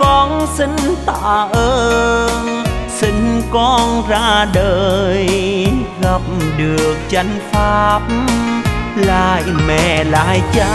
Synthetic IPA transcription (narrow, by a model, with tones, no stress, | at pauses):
kɔ˧nsï˧ŋ̟t̪a̰ː˧˨ʔəː˧nsi˧ŋ̟kɔ˧nzaː˧ɗəː˧˨j | ɣa˨˧˩p̚ɗɨ˨˩ək̚t͡ɕa˧˦jŋ̟faː˧p̚ | la̰ː˧˨jmɛ̰˧˩˨la̰ː˧˨jt͡ɕa˧˦